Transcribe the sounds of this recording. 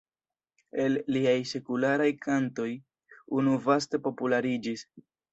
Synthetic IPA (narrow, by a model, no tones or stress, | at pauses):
e̞lːiajse̞kulaɾajkʰanto̞j | unuvaste̞po̞pulaɾid͡ʒis